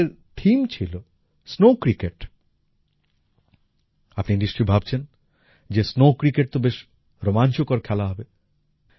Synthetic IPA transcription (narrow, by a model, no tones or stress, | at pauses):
ɾt̪ʰimt͡ɕʰilo | snokɾikeʈ | apninɖisʈibʱab̚t͡ɕʰen | d͡ʑesnokɾikeʈ̚t̪obeʃ | ɾomant͡ɕokɔɾkʰɛlaɦɔbe